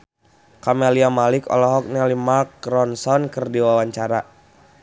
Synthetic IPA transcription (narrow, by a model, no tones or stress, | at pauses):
kameliamalɪkɔ̰lɔɦɔk̚nɛlimarkɾɔnsɔnkɨrdiwawaɲt͡ʃaɾa